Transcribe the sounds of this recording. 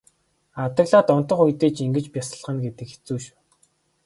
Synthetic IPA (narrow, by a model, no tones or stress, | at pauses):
awt̪ə̆ɣɮaːt̪ʊn̥t̪ə̆χujt̪eːt͡ɕiŋɡɘ̆t͡ɕpʲjasə̆ɮʁə̆nɡet̪ɘ̆kxe̥t͡suːʃ